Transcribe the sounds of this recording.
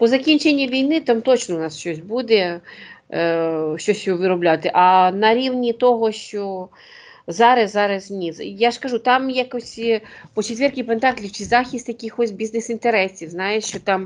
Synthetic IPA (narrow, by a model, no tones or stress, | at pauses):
pɔzɐkʲinʲt͡ʃenʲːiʋʲijnɪt̪amt̪ɔt͡ʃnɔʊnɑsʃt͡ʃɔsʲbud̪ɛ | ʃt͡ʃɔsʲjɔʋɪɾɔblʲat̪ɪʔɐnɐɾʲiwnʲit̪ɔɦɔʃt͡ʃɔ | zɑɾɐzɑɾɐznʲizjaʂkɐʒut̪ɑmjakɔsʲpɔt͡ʃet̪ʋʲɛrkʲipnt̪ɑklʲiwt͡ʃɪzɑxʲist̪jɐkɪxɔsʲbʲiznesint̪eɾɛsʲiwznɑjeʃt͡ʃɔt̪ɑm